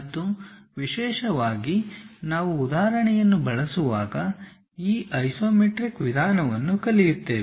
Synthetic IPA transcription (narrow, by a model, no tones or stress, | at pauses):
d̪ːuʋiʃɛːʃɐʋaːɡinaːʋuːd̪aːɾɐɳɛjɐnːubɐɭɐsuʋaːɡɐ | iːʔɐjsoːmeʈɾikʋid̪ʱaːnɐʋɐnːukɐlijut̪ːeː